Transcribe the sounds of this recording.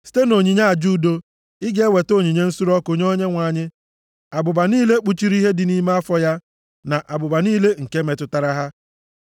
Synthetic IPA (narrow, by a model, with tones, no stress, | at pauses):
si̥˦te˦no˨ɲi˨ɲa˦a˨d͡ʒu˦˨do˦ | ɪ˦ɡe˦we˨to˦˨ɲi˨ɲe˦n̩˦su˦ɾɔ˦ko˨ɲ˦o˦ɲe˦ŋʷa˨ɲɪ˦ | a˨bʊ˨ba˨niː˦le˦k͡pu˦t͡ʃi˦ɾi˦ɦe˦dɪ˨ni˦me˦a˦fɔ˦ja˦ | na˨ʔa˨bʊ˨ba˨niː˦le˦ŋ̩˨ke˦me˨tʊ˨ta˨ɾa˦ɦa˦